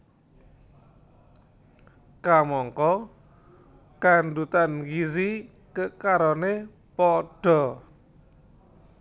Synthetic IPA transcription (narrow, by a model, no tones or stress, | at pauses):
kamɔŋkɔ | kand̪ut̪ankis̬i | kəkaɾɔne | pɔɖ̥ɔ̤